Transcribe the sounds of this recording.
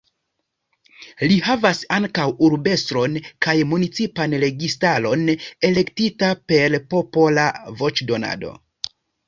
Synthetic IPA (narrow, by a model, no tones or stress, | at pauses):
lihavasaŋkawuɾbe̞stɾo̞nkajmunit͡sipanɾe̞ɡistalo̞ne̞le̞ktitape̞ɾpo̞po̞lavo̞t͡ʃdo̞na̰do̞̰